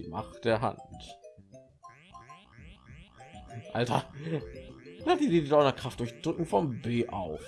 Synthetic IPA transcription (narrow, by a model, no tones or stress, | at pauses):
ma̰χd̥eːɐɦa̰nt | ʔaltɐ | adididdaɪnɐkʁ̥aftd̥ʊɐçd̥ʁʏkŋ̩fɔmbeːʔa̰ʊf